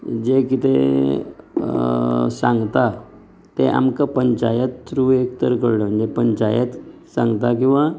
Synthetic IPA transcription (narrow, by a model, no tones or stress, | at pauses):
d͡ʑekit̪e | sãŋɡt̪a | t̪eʔa̰mkapəɲt͡ɕajət̪ːɾuekt̪əɾkəɽləm̤əɳd͡ʑepəɲt͡ɕajət̪ | sãŋɡt̪ak̬ĩw̃ʋa